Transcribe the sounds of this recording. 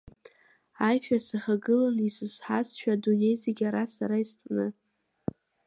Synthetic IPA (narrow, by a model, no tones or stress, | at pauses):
ajpᶣasɨχaɡɨlanisɨzħasʃᶣadune̞jzeɡʲaɾasa̰ɾaistʼnɨ